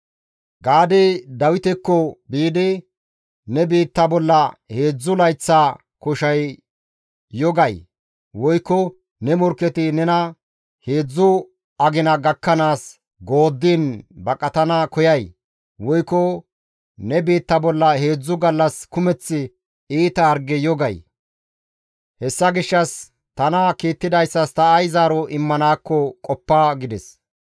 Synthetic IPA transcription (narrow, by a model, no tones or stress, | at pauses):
ɡaːd̪ɛd̪ɐwɪt̪ɛkːɔbiːd̪ɪ | nɛbiːt̪ːɐbɔlːɐhe̞ːd͡zːʊlɐjt͡sːa | kɔʃɐj | ɔɡɐj | wɔjkːɔ | nɛmɔɾkːɛt̪ɪnɛnɐ | he̞ːd͡zːʊ | ɐɡɪnɐɡɐkːɐnaːs | ɡo̞ːd̪ːiːnbɐkʼɐt̪ɐnɐkɔjɐj | wɔjkːɔ | nɛbeːt̪ːɐbɔlːɐhe̞ːd͡zːʊɡɐlːɐskʊmɛt͡sːɪ | iːt̪ɐːɾɡɛjɔɡɐj | hɛsːɐɡɪʃːɐs | t̪ɐnɐkiːt̪ːɪd̪ɐjsːɐst̪ɐːjzaːɾɔʔɪmːɐnaːkːɔkʼɔpːaɡɪd̪ɛs